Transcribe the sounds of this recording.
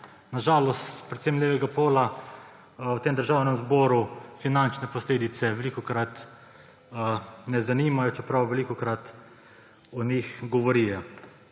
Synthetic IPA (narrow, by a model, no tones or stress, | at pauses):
naʒaːlɔst̪pɾɛt̪semljeːʋɛɡapoːla | wt̪eːmd̪əɾʒaːwnɛmzbɔɾufinant͡ʃnɛpɔsleːd̪it̪sɛʋɛlikɔkɾat̪ | nɛzanimajɔt͡ʃɛpɾawʋɛlikɔkɾat̪ | ɔnixɡɔʋɔɾijɛ